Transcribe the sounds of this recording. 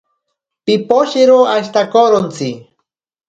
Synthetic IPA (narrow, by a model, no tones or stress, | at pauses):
pipoʃiɾoaʃt̪akoɾont͡si